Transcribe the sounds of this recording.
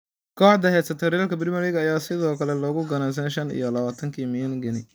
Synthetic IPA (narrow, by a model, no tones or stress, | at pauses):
kʰɔːħd̪ɐɦɛːsɐt̪ʰɔːɾjaːlkʰɐbɪɾɪmɐlɪɣɐɐjaːsɪðɔːkʰɐlɛlɔːɣʊɡɐnaːs̬ɐnɛjʃɐnḭjɔlɐβaːt̪ʰɐŋkʰiːmɪjɐŋɡɪnɪ